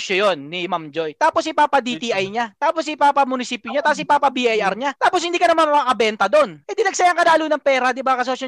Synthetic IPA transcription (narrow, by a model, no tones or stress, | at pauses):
ʃɐjonːɪmamd͡ʒo̞jt̪aːposipaːpɐd̪it̪iʔɐjɲat̪aːposipaːpɐmʊnɪsiːpjoɲat̪aːpos̬ɪpaːpɐbiʔajɐɾɲat̪aːpos̬hɪnd̪iːkɐnɐmanmɐakɐbɛnt̪ɐd̪o̞nʔɛd̪inɐɡ̚sɐjɐŋkɐlaːluːnɐŋpɛːɾɐd̪ɪbakɐsɐʃɐ